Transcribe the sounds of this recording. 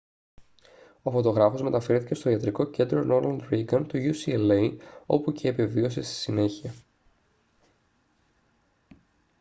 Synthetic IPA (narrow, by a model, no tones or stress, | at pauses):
o̞fo̞t̪o̞ɣɾɐfo̞zme̞t̪ɐfe̞ɾθi̥ce̞st̪oiɐt̪ɾiko̞ce̞nd̪ɾo̞no̞ɾmɐlɾiɡɐnt̪uʝusieleio̞puce̞ːpe̞vio̞se̞st̪i̥sine̞çiɐ